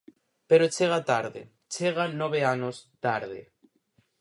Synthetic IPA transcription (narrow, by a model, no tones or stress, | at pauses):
peɾot͡ʃeɣ̞at̪aɾðḛ | t͡ʃeɣ̞anoβ̞eanost̪aɾðḛ